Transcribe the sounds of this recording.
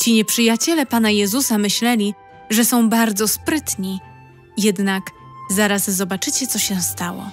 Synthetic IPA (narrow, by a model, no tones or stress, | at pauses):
t͡ɕiɲɛpʂɘjat͡ɕɛlɛpanajɛzusamɘɕlɛlʲi | ʐɛsɔ̃w̃baɾd̪zɔspɾɘt̪ɲi | jɛd̪nak | zaɾazːɔbat͡ʂɘt͡ɕɛt̪sɔɕɛst̪awɔ̰